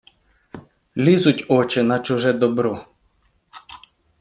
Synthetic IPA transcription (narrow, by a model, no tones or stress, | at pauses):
lʲizʊtʲɔt͡ʃɪnɐt͡ʃʊʒɛd̪ɔbɾɔ